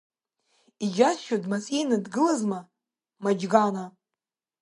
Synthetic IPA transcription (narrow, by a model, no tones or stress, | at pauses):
id͡ʒasʃodmasʼejnadɡɨlazma | mad͡ʒɡana